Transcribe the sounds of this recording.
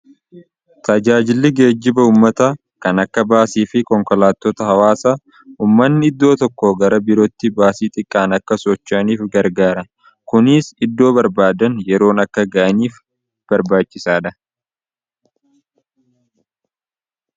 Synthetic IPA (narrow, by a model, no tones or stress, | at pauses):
t̪ɐd͡ʒaːd͡ʒɪlːɪɡe̞ːd͡ʒːɪbɐuːmːɐt̪ɐ | kɐnɐkːɐbaːsiːfɪkɔŋkɔlaːt̪ːɔt̪ɐhɐwaːsa | uːmːɐnːɪɪd̪ːo̞ːt̪ɔkːoːɡɐɾɐbɪɾɔt̪ːɪbaːsiːt̪ʼɪkʼːaːnɐkːɐsɔt͡ʃːʔɐniːfɡɐɾɡaːɾɐ | kʊnɪsɪd̪ːo̞ːbɐɾbaːd̪ɐnjɛɾo̞ːnɐkːɐɡɐʔɐniːf | b̥ɐɾbaːt͡ʃːɪsaːᶑ̪ɐ